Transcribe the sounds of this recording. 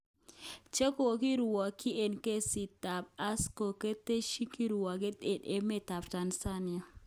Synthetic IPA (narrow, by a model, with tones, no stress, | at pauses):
t͡ʃe˦ko˨ki˦ɾu˨wa˨ki˦e˨nke˦si˨ta˨p̚a˦sko˨ke˦te˦ʃi˦ki˦ɾu˨wa˨ɡe˦de˨ɗe˦me˦˨ta˨pta˨nsa˦nɪ˨a˨